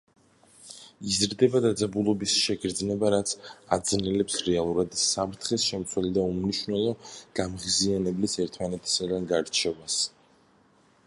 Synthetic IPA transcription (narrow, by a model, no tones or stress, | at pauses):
izɾd̪ɛbad̪ad̪zabulˠɔbisʃɛɡɾd̪znɛbaɾat̪sʰad̪znɛlɛpsɾɛalˠuɾad̪sapʰɾt̪ʰχɛsʃɛmt̪sʰwɛlid̪aumniʃunɛlˠɔɡ̥amʁizianɛblisɛɾt̪ʰmanɛt̪ʰi̥sad̪anɡaɾt͡ʃʰɛvas